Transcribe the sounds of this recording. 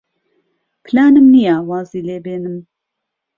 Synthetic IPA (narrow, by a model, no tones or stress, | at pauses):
pʰɨlaːnɨmnijawɑːziːleːbeːnɨm